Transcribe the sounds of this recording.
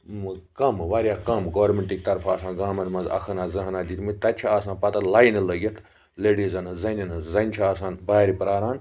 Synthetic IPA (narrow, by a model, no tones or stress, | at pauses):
kɐmʋaːɾʲjaːkɐmɡoʋɾmeɳʈikt̪ɐɾpʰaːsãːnɡaːmɐnmɐ̃nzɐ̰kʰɐnaːzɐɦnaːd̪iːt̪mɨt̪ɐt͡ʃʰiaːsãːpɐt̪ɐlaːjnɐlɐɡɐt̪ʰ | leːɖizɐnɐzɐnʲɐnɐzɐnʲt͡ʃʰiaːsaːnbaːɾipɾaːɾaːn